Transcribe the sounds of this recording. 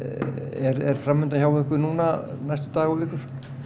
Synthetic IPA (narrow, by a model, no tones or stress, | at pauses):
ɛɾɛɾ̥fɾamːʏnt̪açjaːwvaʏhkʏnuːnanajst̪ʏ̥t̪aːɣɔvɪːhkʏɾ̥